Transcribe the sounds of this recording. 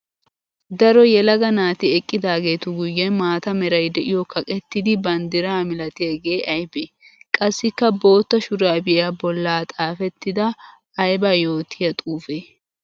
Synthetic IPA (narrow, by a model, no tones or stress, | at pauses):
d̪ɐɾɔjɛlɐɡɐnaːt̪ɪɛkʼːɪd̪aːɡe̞ːt̪ʊɡʊjːɛnmaːt̪ɐmɛɾɐjd̪ɛʔɪjɔkʰɐkʼɛt̪ːɪd̪ɪbɐnd̪ɪɾaːmɪlɐt̪ɪɐɡe̞ːʔɐjbeːkʼɐsːɪkːɐbo̞ːt̪ːɐʃʊɾaːbɪʔɪjabɔlːaːt̪ʼaːfɛt̪ːɪd̪ɐː | jbaːjo̞ːt̪ʰɪjɐt̪ʼuːfeː